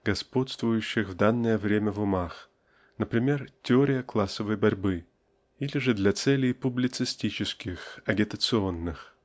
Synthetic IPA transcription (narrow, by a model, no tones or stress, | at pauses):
ɡɐspo̞t̪st̪vʊjʉɕːɪxvd̪anːəjəvɾʲemʲəvʊmax | nəpɾʲɪmʲe̞rtʲɪoɾʲɪjəklˠasːəvəjbɐɾʲbɨ | ilʲɪʐɨd̪lʲɐt̪sɛlʲɪjpʊblʲɪt̪sɨsʲtʲit͡ɕɪskʲɪxɐɡʲɪt̪ət̪sɨonːɨx